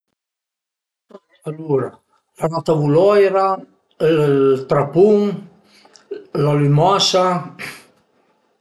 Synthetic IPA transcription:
taaaluɾa | fanat̪avulɔjɾa | t̪ɾapuŋ | lalymɔsa

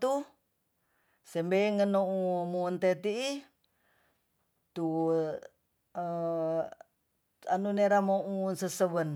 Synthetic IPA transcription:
t̪u | sembeŋənoumunt̪et̪ii | t̪u | ə | anuneɾamoʔunsəsəβən

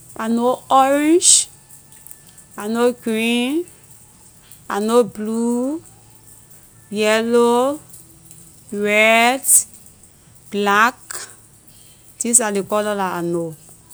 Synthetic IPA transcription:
anoɔɹɛ̃nd͡ʒ | anoɡɹin | anoblu | jɛlo | ɹɛd | b̥lak | disalikɔlɔlaano

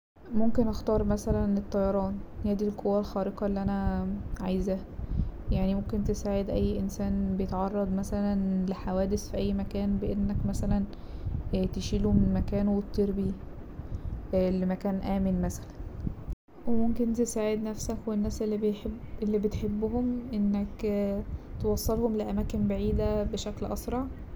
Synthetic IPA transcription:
momkenʔɑxt̪ɑːɾˤmæsælænet̪ˤːɑjɑɾˤɑːnhæːd̪ilkʰowːælxɑːɾeqɑelːiʔænæʕajzæ | jaʕnimomkent̪esaːʕed̪ʔæjːʔensæːnbejet̪ʕɑrˤːɑd̪ˤmæsælænleħawæːd̪esfiʔæjːmækæːnbeʔenːækmæsælæn | t̪eʃiːlumenmækæːnwet̪ːeɾbi | lemækæːnʔæːmenmæsæ̥læn | wemomkent̪esaːʕed̪næfsækwenːæːselːiʔelːiːbet̪ħebːhomʔenːæk | t̪ewɑsˤːelhomleʔæmæːkenbaʕiːd̪æbeʃæklʔɑsɾˤɑʕ

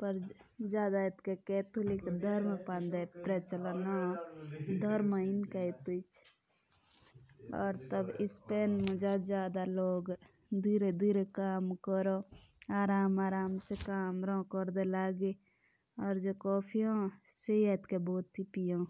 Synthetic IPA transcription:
pəɾd͡ʒaːd̪aet̪kekɛt̪ulikd̪ʱəɾmepand̪epɾɛt͡ʃələna | d̪ʱəɾmainkəit̪it͡ʃʰ | ɔ̰ːɾt̪əbispenmẽd͡ʒad͡ʒjaːd̪aloːɡ | d̪iɾed̪iɾekaːmkəɾoaːɾaːmaːɾaːmsekaːmɾɔ̃kəɾd̪elaɡe | ɔːɾd͡ʒokɔːpʰiɦõ | seiɛt̪keboːt̪ːipijõ

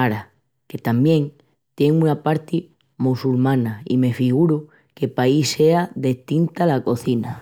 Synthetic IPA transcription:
aɾa | ke̞t̪ambjẽ̞ŋ | t̪je̞ŋũnapaɾt̪i | musulmãnaḭme̞fiɣuɾu | ke̞paise̞aðe̞ht̪int̪alako̞θina

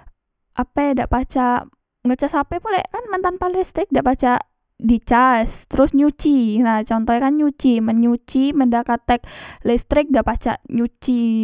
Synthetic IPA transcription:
ʔapadaʔpat͡ʃa | ŋɡət͡ʃasapɛpulɛkanmənt̪anpalist̪ɾɪk̚daʔpat͡ʃa | dit͡ʃast̪əɾʊsɲut͡ʃinaht͡ʃɔnt̪ɔɲakanɲut͡ʃiməɲut͡ʃiməndakat̪ɛk̚list̪ɾɪk̚daʔpat͡ʃa̰ʔɲut͡ʃi

